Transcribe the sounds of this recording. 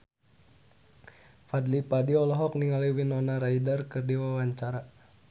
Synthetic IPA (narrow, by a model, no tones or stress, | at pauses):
fad̪lipadiɔlɔɦɔk̚niŋaliwinɔnaɾaidərkɨrdiwawaɲt͡ʃaɾa